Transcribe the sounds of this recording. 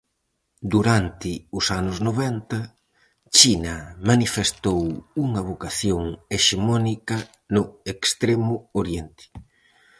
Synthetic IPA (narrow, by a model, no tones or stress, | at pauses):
d̪uɾant̪ɪʊsanʊznoβɛnt̪ɐ | t͡ʃinɐmanifest̪owuŋɐβ̞okaθjoŋeʃemɔnikɐ | nʊekst̪ɾemʊoɾjent̪ɪ̥